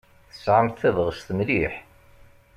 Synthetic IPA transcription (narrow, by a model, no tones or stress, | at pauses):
θəsʕəmθθævəʁst̪əmliħ